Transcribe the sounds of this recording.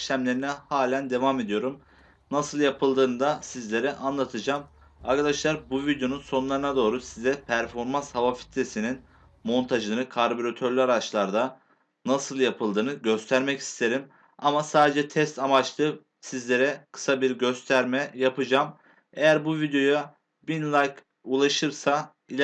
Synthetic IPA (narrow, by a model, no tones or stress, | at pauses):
ʃlʲæmlʲe̞ɾinɛhaːlʲænd̪e̞vaːme̞d̪ijo̞ɾum | nasɯlˠjapʰɯlˠd̪ɯːnɯd̪asizlʲe̞ɾɛʔanlˠat̪ʰɯd͡ʒaːm | aɾkʰad̪aʃlˠaɾbuvid̪jo̞nunso̞nnlˠaɾɯnad̪o̞ːɾusizɛpʰæɾfo̞ɾmanshavafi̥t̪ʰɾe̞sinin | mo̞nt̪ʰaʒɯnɯkʰaɾboɾot̪ʰø̞ɾlʲyaɾat͡ʃlˠaɾd̪a | nasɯlˠjapʰɯlˠd̪ɯːnɯɟø̞st̪ʰæɾmɛcʰi̥st̪ʰe̞ɾim | amasaːd̪e̞d͡ʒɛt̪ʰɛst̪ʰamat͡ʃlˠɯː | sizlʲe̞ɾɛkʰɯ̥sabiɾɟø̞st̪ʰæɾmɛjapɯd͡ʒaːm | e̞jæɾbuvid̪jo̞ja | binlˠajk | ulˠaʃɯɾsa | ilʲ